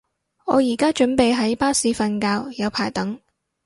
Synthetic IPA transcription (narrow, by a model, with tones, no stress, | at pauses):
ŋɔː˨˧jiː˨˩kaː˥t͡ʃɵ˨˥npe˨jɦɐ˨˥jpaː˥siː˨˧˥fɐ˧nkaː˧wjɐ˨˧wpʰaː˨˩jt̪ɐ˨˥ŋ